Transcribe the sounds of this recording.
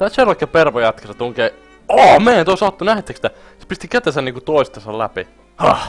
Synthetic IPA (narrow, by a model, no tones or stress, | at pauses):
t̪æselɑkːeperʋojɑt̪kesɑt̪uŋkei | oɑmeiænt̪uoˑsɑt̪ːunæhet̪ːeksit̪æ | se̥pist̪ikæt̪esæniːŋkut̪oˑist̪ɑsɑlæpi | hɑh